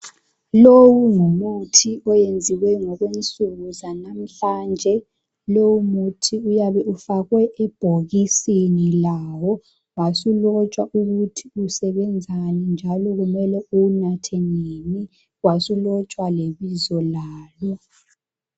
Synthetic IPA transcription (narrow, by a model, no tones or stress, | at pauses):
lowuŋumutʰiɔjend͡zʱiwɛŋɔɣwent͡sʼuɣuzanam̩ɬaːnd͡ʒʱɛ | lowumutʰiujaβɛʔufaɣwɛʔɛb̥ʱoɣisinilawɔ | wasulɔt͡ʃʼwaʔuɣutʰiusɛβɛnd͡zʱanind͡ʒʱalɔɣumɛlɛunatʰeneni | wasulɔt͡ʃʼwaleβizɔlaːlɔ